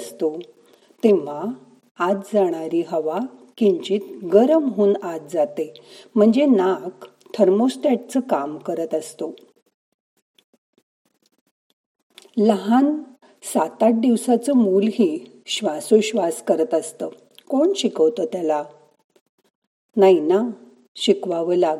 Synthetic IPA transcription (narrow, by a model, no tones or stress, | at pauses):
st̪o | t̪eʋ̤aː | t͡s̪d͡zaɽ̃aɾiːɦəʋakiɲt͡ɕiːt̪ɡəɾəmɦoːnat̪̚d͡zat̪em̤əɳd͡zenak | t̪ʰəɾmosʈaʈ̚t͡səkamkəɾət̪əst̪o | ləɦan | sat̪aʈ̚d̪iʋsat͡səmulɦiː | ɕʋasoɕʋaskəɾət̪əst̪əː | koɳɕikəʋt̪ət̪jala | naina | ɕikʋaʋəlaɡ